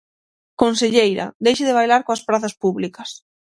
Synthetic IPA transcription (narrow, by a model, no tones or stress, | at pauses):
kons̬eʎejɾɐ̰d̪ejʃɪðɪβ̞ajlaɾkoaspɾaθɐspuβlikɐs